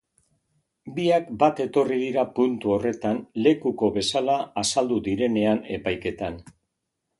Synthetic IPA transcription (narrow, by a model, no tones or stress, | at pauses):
biakbat̪e̞t̪o̞riðiɾapunt̪uo̞re̞t̪anle̞kuko̞βe̞salaːsald̪ud̪iɾe̞ne̞ane̞pajke̞t̪an